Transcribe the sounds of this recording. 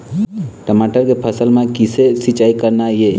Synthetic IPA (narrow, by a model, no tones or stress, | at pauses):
ʈəmaʈəɾkepʰəsəlmẽkisesit͡ʃaːikəɾnaje